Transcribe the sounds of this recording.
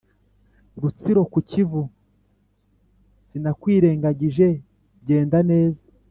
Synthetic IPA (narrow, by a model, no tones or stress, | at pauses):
ɾut͡siɾo̞kucivu | sinakwiːɾe̞ːŋɡaɟiʒe̞ | ɟe̞ːndane̞ːzḁ